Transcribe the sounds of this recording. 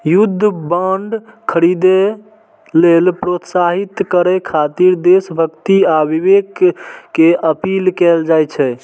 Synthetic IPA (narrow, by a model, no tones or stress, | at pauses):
jud̪ʱːəbəɳɖkʰəɾid̪e | lelpɾot̪saɦit̪kəɾɛkʰat̪iɾd̪esbʱəkt̪iabiβekkeəpilkɛld͡ʒajt͡ʃʰɛ